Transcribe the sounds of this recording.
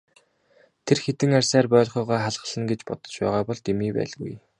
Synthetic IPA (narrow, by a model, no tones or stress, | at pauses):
t̪ʰerxet̪ɘ̆ŋarʲsæːrpœːɮχœːʁɔːχaɮʁ̥ə̆ɮə̆nɡet͡ɕpɔt̪ɞ̥̆t͡ɕpæ̰ːʁaːpɔɮt̪emiːpæ̰ːɮɣṵj